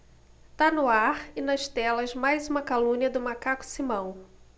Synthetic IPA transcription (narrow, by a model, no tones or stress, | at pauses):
t̪anʊaɾɪnɐʃt̪ɛlɐzmajzũmɐkalũɲiɐd̪ʊmakakʊ̥simɐ̃w̃